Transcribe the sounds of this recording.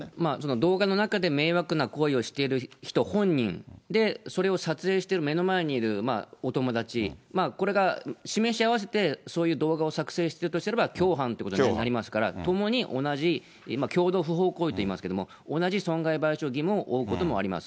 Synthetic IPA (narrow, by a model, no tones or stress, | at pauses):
maso̞no̞d̪o̞ːɡano̞nakad̪e̞me̞ːβakɯ̟nako̞io̞ɕi̥t̪e̞ɾɯ̟çi̥t̪o̞hõ̞ɲ̟ːḭ̃nd̪e̞so̞ɾe̞o̞sat͡sɨe̞ːɕi̥t̪e̞ɾɯ̟me̞no̞mae̞ɲ̟iːɾɯ̟ma̰ot̪o̞mo̞d̪at͡ɕimaːko̞ɾe̞ɡaɕime̞ɕiaβas̬e̞t̪e̞so̞ːjɯ̟ːd̪o̞ːɡao̞sakɯ̟̥se̞ːɕi̥t̪e̞ɾɯ̟t̪oɕit̪eɾebakʲo̞ːɦãnt̪eɯkot̪oiinnaɾʲimasɨ̥kaɾa̰t̪o̞mo̞ɲ̟iʔo̞̰naʑi | makʲo̞ːd̪o̞ːɸɯ̟ɦo̞ːko̞ːit̪oiːmasɨ̥ke̞d̪omo̞̰ | onaʑisõ̞ŋɡaibaiɕo̞ːɡʲimɯ̟oʔoːɯko̞t̪o̞mo̞a̰ɾʲima̰sɨ̥